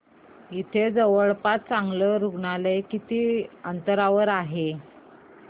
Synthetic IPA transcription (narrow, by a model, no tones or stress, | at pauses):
it̪ʰed͡zəʋəɭpat̪̚t͡sãŋɡləɾuɡɳalekit̪iːənt̪əɾaʋəɾaɦe